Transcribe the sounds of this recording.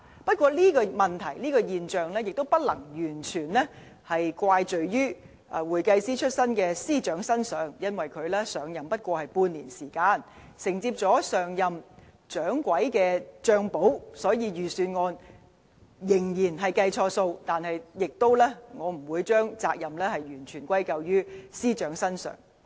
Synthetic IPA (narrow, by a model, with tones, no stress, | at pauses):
pɐ˥t̚kʷɔː˧liː˥kɔː˧mɐ˨nt̪ʰɐ˨˩jliː˥kɔː˧jiː˨nt͡ʃœː˨ŋlɛː˥jɪ˨k̚t̪o˥wpɐ˥t̚lɐ̰˨˩ŋjyː˨˩nt͡ʃʰyː˨˩nlɛ˥ | hɐ˨jkʷaː˧jt͡ʃɵ˨˩ɥɥyː˥ | ʔwuː˨˩jkɐ˧jsiː˥t͡ʃʰɵ˥t̚sɐ˥nkɛː˧siː˥t͡ʃœː˨˥ŋsɐ˥nsœː˨˥ŋjɐ˥nwɐ˨jkʰɵ˨˧ɥlɛː˥sœː˨ŋjɐ˨mpɐ˥t̚kʷɔː˧hɐ˨jpuː˧nliː˨˩nsiː˨˩kaː˧n | sɪ˨˩ŋt͡siː˧p̚t͡sɔː˨˥sœː˨˩ŋjɐ˨m | t͡ʃœː˨˥ŋkʷɐ˨˥jkɛː˧t͡ʃœː˧ŋpo˨˥wsɔː˨˥jiː˨˧jyː˨syː˧nŋɔː˧n | jɪ˨˩ŋjiː˨˩nɦɐ˨jkɐ˧jt͡ʃʰɔː˧so˧wt̪aː˨nhɐ˨jjɪ˨k̚t̪o˥wlɛː˥ŋɔː˨˧m̩˨˩wuː˨˧jt͡ʃœː˥ŋt͡saː˧k̚jɐ˨mlɛː˥hɐ˨jɥyː˨˩nt͡ʃʰyː˨˩nkʷwɐ˥jkɐ˧wjyː˥siː˥t͡ʃœː˨˥ŋsɐ˥nsœ̰ː˨˩ŋ